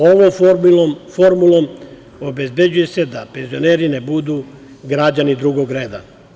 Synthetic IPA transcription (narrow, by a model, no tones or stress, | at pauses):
oʋom | foɾmulˠom | obe̞zbe̞d͡ʑuje̞se̞d̪ape̞nzio̞neːɾine̞bud̪u | ɡɾad͡ʑanid̪ɾuɡo̞ɡɾe̞ːd̪a̰